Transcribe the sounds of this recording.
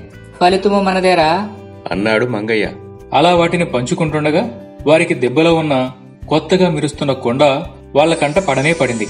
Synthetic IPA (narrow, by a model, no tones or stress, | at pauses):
pɐlit̪umɐmɐnɐd̪ɛːɾaː | ɐ̰nːaːɽumɐŋɡɐjɐ̰ | ɐlaːʋaːʈinipɐɲt͡ʃukuɳʈuɳɖɐɡaː | ʋaːɾikid̪ɛbːɐloːunːɐ | kɔt̪ːɐɡaːmiɾust̪unːɐkoɳɖɐ | ʋaːɭːɐkɐɳʈɐpɐɽɐmɛːpɐɽind̪i